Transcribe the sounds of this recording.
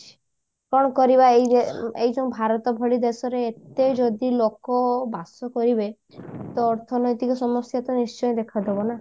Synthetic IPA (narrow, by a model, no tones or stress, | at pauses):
kɔɽ̃ɔkɔɾibaej̪eejd͡ʒɔũbʱaɾɔt̪ɔbʱɔɭid̪esɔɾeːt̪ed͡ʒɔd̪ilokɔbasɔkɔɾibe | t̪ɔːɾt̪ʰɔnɔjt̪ikɔsɔmɔsjat̪ɔnist͡ʃɔjɔd̪ekʰad̪ebɔna